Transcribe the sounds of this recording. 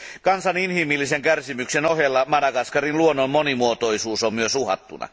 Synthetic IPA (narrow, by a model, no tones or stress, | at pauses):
kɑnsɑninhimilːiseŋkærsimyksenohelːɑmɑnɑkɑskɑrinluonːommonimuot̪oisuːsommyøsuhɑ̰t̪ːṵnɑ̰